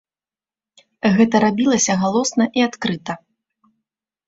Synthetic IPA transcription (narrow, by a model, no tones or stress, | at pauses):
ɣɛt̪ɐɾabʲilˠɐsʲɐɣalˠɔsnɐʔiat̪kɾɨt̪ɐ